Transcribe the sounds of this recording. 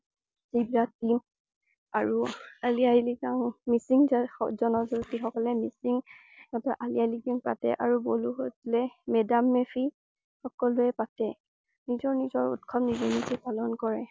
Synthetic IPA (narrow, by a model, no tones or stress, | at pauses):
zibɹatim | aɹualiailiɡaŋmisiŋzazɔnɔzutixɔkɔlɛmisiŋ | ɔtɔʔalialiɡaŋpa̰tɛ̰ʔaɹuboluɦotlɛmɛdamːepʰi | xɔkɔluɛpatɛ | nizɔɹnizɔɹṵtkʰɔmnizɔnisɛpalɔnkɔɹɛ